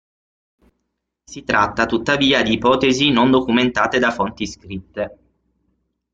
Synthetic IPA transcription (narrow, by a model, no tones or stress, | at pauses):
sit̪ɾat̪ːat̪ut̪ːaviːad̪iːpɔːt̪ezinond̪okument̪aːt̪ed̪afont̪iskɾit̪ːe